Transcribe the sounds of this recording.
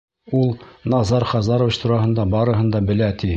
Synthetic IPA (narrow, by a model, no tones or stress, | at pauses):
ulˠnɑzɑɾχɑzɑɾovʲit͡ɕt̪ʰuɾɑɦɤ̆nd̪ɑbɑɾɤ̆ɦɤ̆nd̪ɑbɘ̆læt̪i